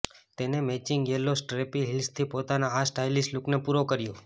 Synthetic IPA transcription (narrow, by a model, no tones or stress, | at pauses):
t̪enemɛt͡ʃɪŋɡjelosʈɾepiɦɪlst̪ʰipot̪anaasʈajlisluknepuɾokəɾjõ